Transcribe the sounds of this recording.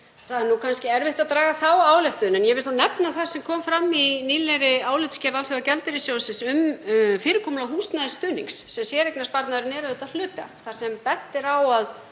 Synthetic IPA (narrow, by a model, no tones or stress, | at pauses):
θaðɛɾnukʰanscɪɛɾvɪht̪aðt̪ɾaːɣaθawaːwlɛht̪ʏnɛnjɛvɪlt̪anɛpnaθaɾ̥sɛmkʰɔːmfɾamːiniːlɛɾɪaːwlɪt̪scɛːɾðalɛacɛlt̪ɪɾɪsjoːwsɪnsʏmfɪːɾɪkʰɔːmlawɦuːst̪naðɪst̪ʏːnḭŋksːɛmsjɛɾek̚naspaɾt̪naðɾɪnɛɾʏðɪht̪al̥ʏːt̪a̰θaɾ̥sɛmpɛt̪ːɪɾawað